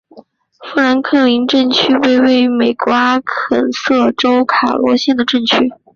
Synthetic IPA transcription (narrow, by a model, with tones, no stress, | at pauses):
fu˥˩la˧˥nkʰɤ˥˩li˧˥nʈ͡ʂɤ˥˩ŋt͡ɕʰy˥we˥˧ɪwe˥˩ɪme˨˩ɪkwa˧˥kʰə˨˩nsɤ˥˩ʈ͡ʂo˥ʊkʰa̰˨˩lwɔ˧˥ɕjɛ˥˩nd̪ə˩ʈ͡ʂɤ˥˩ŋt͡ɕʰy˥